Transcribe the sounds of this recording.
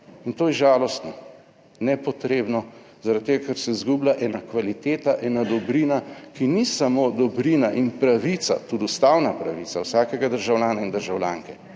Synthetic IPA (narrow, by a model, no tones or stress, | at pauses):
int̪oːjɛʒaːlɔst̪nɔ | nɛpɔt̪ɾeːbnɔ | zaɾat̪̚t̪ːeːɡakɛɾsɛizɡublaʔɛːnakʋalit̪eːt̪aʔɛːnad̪ɔbɾiːnakinisamoːd̪ɔbɾinaʔinpɾaʋit̪sa̰t̪ud̪ust̪awnapɾaʋiːt̪sawsaːkɛɡad̪əɾʒawlʲjaːnaind̪əɾʒawlʲjaːŋkɛ